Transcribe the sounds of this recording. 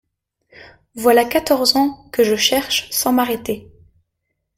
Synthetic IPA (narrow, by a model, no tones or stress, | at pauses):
vwalakat̪ɔʁzɑ̃kəʒəʃɛʁʃsɑ̃maʁet̪e